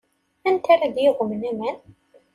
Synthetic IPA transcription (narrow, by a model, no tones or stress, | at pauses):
ænt̪aɾaðjɪʁʷʊmənæmæn